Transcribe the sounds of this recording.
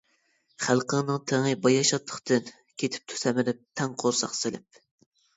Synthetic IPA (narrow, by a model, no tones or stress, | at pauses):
χælqəŋnɨŋt̪ʰeŋɨbɑjɑʃɑt̪ʰːə̥χt̪ɨn | kʲʰet̪ʰɪ̥p̚t̪ʰu̥sɛmɪɾɪp̚t̪ʰɛŋqʰoɾsɑ̰χselɪ̰p̚